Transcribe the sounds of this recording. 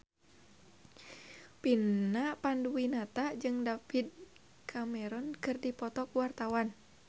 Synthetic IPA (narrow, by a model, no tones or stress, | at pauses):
pinːapanduwinat̪ad͡ʒɨŋdafid̚ | kʰamɛɾɔnkɨrdipɔt̪ɔkuwart̪awan